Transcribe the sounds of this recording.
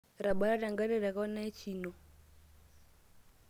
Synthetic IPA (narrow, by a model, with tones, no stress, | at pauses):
ɾa˨ɓa˦ɾa˦ɾa˨ŋɡa˦ɾɛ˦˨ɾa˨ɣɔ˦na˦t͡ʃi˨nɔ˨